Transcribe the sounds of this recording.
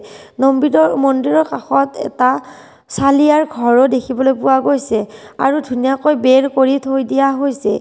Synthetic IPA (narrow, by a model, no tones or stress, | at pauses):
nombiɹɔmɔndiɹɔɹkaxɔtɛ̰ta | saliaɹɡʱɔɹɔdekʰibɔlojpʊwaɡojsɛ | a̰ɹudʱunijakojbɛɹkoɹitʰojdijaɦojsɛ